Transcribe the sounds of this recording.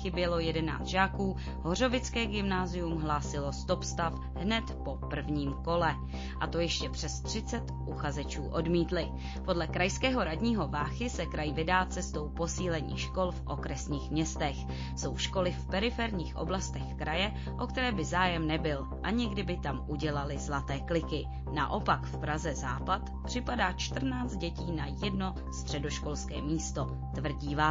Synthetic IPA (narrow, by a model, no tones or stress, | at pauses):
xɪbjɛlo̞jɛdɛna̰ːt̪ʒaːkuː | ɦo̞r̝o̞vɪt͡skɛːɡɪmnaːzɪjumɦlaːsɪlo̞st̪o̞pst̪af | ɦnɛt̪po̞pr̩vɲiːmko̞lɛ | ʔat̪o̞jɛʃcɛpr̝̥ɛst̪r̝̥ɪt͡sɛt̪ʔuxazɛt͡ʃuːʔo̞dmiːt̪lɪ | po̞dlɛkɾajskɛːɦo̞ɾadɲiːɦo̞vaːxɪsɛkɾajvɪdaːt͡sɛst̪o̞wpo̞siːlɛɲḭːʃko̞lfʔo̞̰kɾɛsɲiːxmɲɛst̪ɛx | so̞wʃko̞lɪfpɛɾɪfɛɾɲiːxʔo̞̰blast̪ɛxkɾajɛ | ʔo̞k̚t̪ɛɾɛːbɪzaːjɛmnɛbɪl | ʔaɲɪɡdɪbɪt̪amʔuɟɛlalɪzlat̪ɛːklɪkɪ | na̰ʔo̞pakfpɾazɛza̰ːpat̪pr̥ɪpadaːt͡ʃt̪r̩naːt͡st̪̚ɟɛciːnajɛdno̞ | st̪r̝̥ɛdo̞ʃko̞lskɛ̰ːmiːst̪o̞ | t̪vr̩ɟiːva